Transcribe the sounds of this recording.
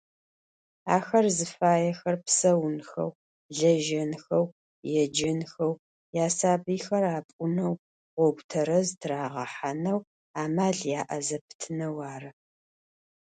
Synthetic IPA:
a̰ːxɐrzɨfaːjɛxɐrpsɐwnxɐ̰w | ɮɐʒɐnxɐw | jɛd͡ʒɐnxɐw | jaːsaːbiːxɐraːpʼʊnɐw | ʁʷɔɡʷtʰɐɾɐztʰraːʁɐħanɐw | aːmaːɮjaːʔɐzɐpʰɨ̥tʰɨnɐwaːrɨ

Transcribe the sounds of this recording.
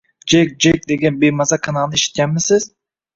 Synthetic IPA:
d͡ʒek̚d͡ʒek̚d̪eɡʲanbejmɑzɑkʰɑnɑlˠnɪeʃɪ̥t̪̚kʲænmɪsɪz̥

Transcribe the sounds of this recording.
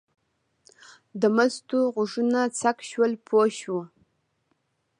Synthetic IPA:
damɐztʰuːʁʷʊʐɨnat͡sʰakʃwɐlpʰoʃwu

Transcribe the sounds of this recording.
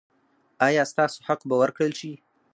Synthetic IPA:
ɑjɑst̪ɑso̥ħaqbawəɾkɽəlʃi

